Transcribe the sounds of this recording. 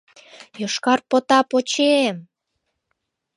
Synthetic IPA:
joʃkɑrpot̪ɑpot͡ɕem

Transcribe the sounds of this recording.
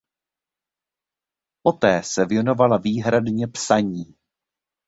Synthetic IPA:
po̞t̪ɛːsɛvjɛno̞valaviːɦɾadɲɛpsaɲiː

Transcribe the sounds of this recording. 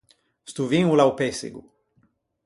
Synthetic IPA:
st̪uviŋulawpesḛɡu

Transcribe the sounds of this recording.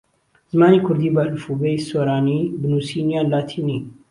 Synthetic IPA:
z̥ɨmaːniːkʰʊɾd̪iːbaːlfubeiswoɾaːnibɨnuːsiːnijaːnlaːt̪ʰiːniː

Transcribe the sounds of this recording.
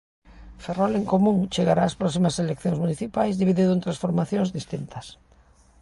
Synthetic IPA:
ferɔleŋkomũŋt͡ʃeɣaɾaːspɾɔsimɐselekθjõŋzmuniθipajzðiβiðiðont̪ɾãsfoɾmaθjõŋzðist̪int̪ɐs

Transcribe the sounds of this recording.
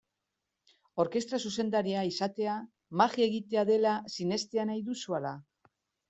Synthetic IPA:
o̞ɾke̞st̪ɾasuse̞nd̪aɾiaisat̪e̞a | maɣie̞ɣit̪e̞aðe̞lasine̞st̪e̞anajðusuala

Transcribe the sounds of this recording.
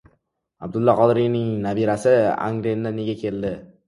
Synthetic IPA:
ab̚d̪ʊlˠːɒqʰɒd̪ɾijnɪŋnabiɾasɪa̰ŋɡɾend̪aneɡʲakʲʰe̞ld̪ɪ

